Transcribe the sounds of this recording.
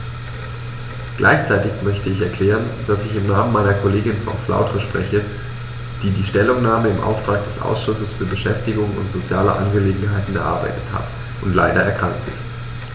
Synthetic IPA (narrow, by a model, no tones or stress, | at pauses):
ɡ̥lʔa̰ɪçt͡saɪtɪçmœçtəɪçɛɐkʰl̥ɛːʁ̞ənd̥asɪçɪmnaːmənmaɪnɐkʰoleːɡɪnfɔ̰nflʔa̰ʊtʁəʃpʁ̥ɛçə | d̥iːdiːʃtɛlʊŋnaːməɪmʔa̰ʊftʁ̥aːk̚d̥ɛsʔa̰ʊsʃʊsəsfyːɐbəʃɛftɪɡʊŋʊ̰ntz̥ot͡sja̰ːlə̰ʔa̰nɡəleːɡŋ̩ɦaɪtn̩ɛɐʔa̰ɐba̰ɪtə̥tha̰t | ʊntlaɪdɐɛɐkʁ̥aŋk̚tɪ̰st